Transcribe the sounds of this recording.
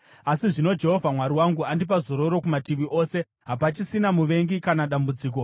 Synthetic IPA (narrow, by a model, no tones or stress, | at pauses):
asiʐino̞d͡ʒe̞ɦo̞vʱamwaɾiwaŋɡuandip̬azo̞ɾo̞ɾo̞kumatiʋiʔo̞se̞ | ɦapat͡ʃisinamuʋe̞ŋɡikanaɗambud͡ziːk̬o̞